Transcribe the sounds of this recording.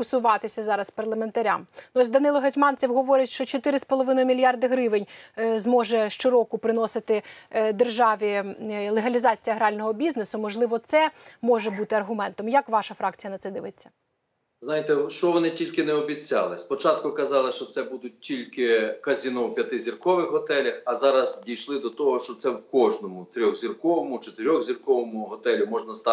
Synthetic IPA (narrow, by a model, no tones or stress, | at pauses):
kʊsʊʋɑt̪ɪsʲɐzɑɾɐspɐrlˠɐment̪ɐɾʲa̰mnɔsʲd̪ɐnɪlˠɔɦɐtʲmɑnʲt͡sʲɛwɦɔʋɔɾʲɪtʲʃt͡ʃɔt͡ʃɔt̪ɪɾɪspɔlˠɔʋɪnɔjʊmʲilʲjɑrd̪ɪɦɾɪʋenʲzmɔʒɛʃt͡ʃɪɾɔkʊpɾɪnɔsɪt̪ɪd̪erʒɑʋʲilˠeɦɐlʲizɑt͡sʲijɐɦɾɑlʲnɔɦɔbʲiznesʊmɔʒlˠɪʋɔt̪sɛmɔʒɛbut̪ɪɐrɦʊmɛnt̪ɔmjakʋɑʃɐfɾɑkt͡sʲijɐnɐt̪sɛd̪ɪʋɪt͡sʲːɐ̥ | znɑjɪt̪ɛʃt͡ʃɔʋɔnɪtʲilʲkɪnɛɔbʲit͡sʲːɑlˠɪspɔt͡ʃɑt̪kʊkɐzɑlˠɪʃt͡ʃɔt̪sɛbud̪ʊt̚ʲtʲilʲkɪkɐzʲinɔwpʲjɐt̪ɪzʲirkɔʋɪxɦɔt̪ɛlʲɐxɐzɑɾɐzdʲijʃlˠɪd̪ɔt̪ɔɦɔʃt͡ʃɔt̪sɛwkɔʒnɔmʊt̪ɾʲɔɣzʲirkɔʋɔmʊt͡ʃɔt̪ɪɾʲɔɣzʲirkɔʋɔmʊɦɔt̪ɛlʲɪmɔʒnɐst̪ɑ